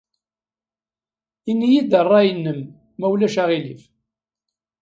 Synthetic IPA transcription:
inːijid̪ərˤːɑjənːəmː | æwlæʃaʁilif

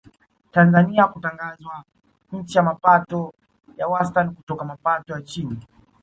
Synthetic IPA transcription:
tanzaniakutaŋɡazwa | ɲ̩t͡ʃijamapatɔ | jawastanikutɔkamapatɔjat͡ʃini

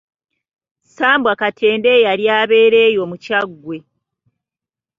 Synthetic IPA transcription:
saːmbwakatʰe̞ːnde̞jaɾjaːβe̞ːɾe̞ːjo̞mucaɡːwe̞

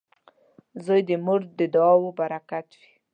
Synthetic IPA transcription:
zojd̪əmʊɾd̪əd̪ɑwobaɾakat̪wi

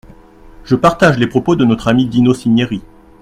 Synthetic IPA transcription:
ʒ̥əpaʁt̪aʒlepχɔpod̪ənɔt̪χamid̪inosiɲjeʁi

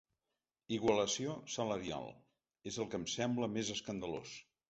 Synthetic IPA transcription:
iɣwələsiosələɾia̰lˠ | ezəlˠkəmsɛmbləmezəskənd̪əlo̰s

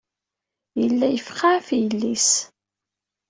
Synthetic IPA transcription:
jəlːæjəfqːafjəlːis

